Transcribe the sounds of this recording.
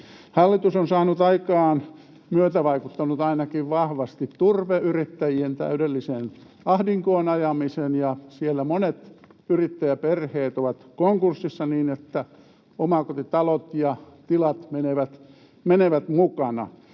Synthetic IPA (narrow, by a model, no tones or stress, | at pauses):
hɑlːit̪usonsɑːnut̪ɑikɑːn | myøt̪æʋɑikut̪ːɑnut̪ɑinɑkiʋʋɑhʋɑst̪it̪t̪urʋeyrit̪ːæjient̪æ̰ydelːiseːn | ɑhdiŋkoːnɑjɑmisenjɑsielːæmonet̪yrit̪ːæjæperheːt̪oʋɑt̪koŋkursːisːɑniːnet̪ːæ | omɑkot̪it̪ɑlot̪jɑt̪ilɑt̪meneʋæt̪ | meneʋæt̪mukɑnɑ̰